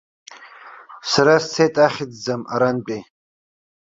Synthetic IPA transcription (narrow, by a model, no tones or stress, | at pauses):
saɾast͡sʰejtʼaχʲɪd͡zd͡zama̰ɾanpʼe